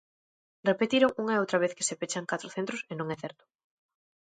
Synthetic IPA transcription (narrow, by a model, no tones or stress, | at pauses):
repet̪iɾoŋuŋaeowt̪ɾaβ̞eθke̥sepet͡ʃaŋkat̪ɾoθent̪ɾosenõŋɛθɛɾt̪ʊ̥